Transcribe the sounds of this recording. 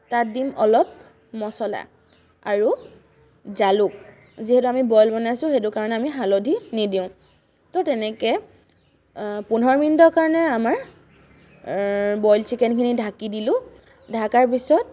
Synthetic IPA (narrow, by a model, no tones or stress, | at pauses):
tat̚dimɔlɔp̚ | mɔsɔla̰ | aɹu | zaluk̚ | ziɦɛtuamibɔjlbɔnajsʊ̃xetʊkaɹɔnɛamiɦalodʱinidĩʊ̃ | tɔtɛnɛkɛ | punɔɹmindɔkaɹɔnɛamaɹ | bɔjlsʰikɛnkʰinidʱakidilʊ̃ | dʱakaɹpisɔt̚